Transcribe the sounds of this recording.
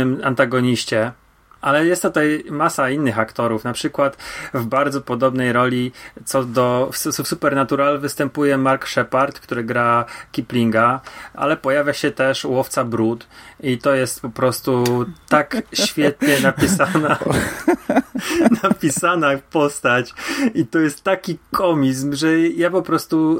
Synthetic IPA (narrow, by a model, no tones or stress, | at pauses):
mant̪aɡɔɲiɕt͡ɕɛ | alɛjɛst̪ːut̪ajmasainːɘxakt̪ɔɾufnapʂɘkwat̪vbaɾd̪zɔpɔd̪ɔbnɛjɾɔlʲit̪sɔd̪ɔfssusupɛɾnat̪uɾalvɘst̪ɛmpujɛmaɾkʂɛpaɾt̪kt̪uɾɘɡɾakʲiplʲiŋɡaʔa̰lɛpɔjavʲjaɕɛt̪ɛʂwɔft̪sabɾut̪it̪ɔjɛst̪pɔpɾɔst̪ut̪akɕfʲjɛt̪ɲɛnapʲisana | napʲisanafpɔst̪at͡ɕit̪ɔjɛst̪ːakʲikʰɔmʲiz̬mʐɛjapɔpɾɔst̪u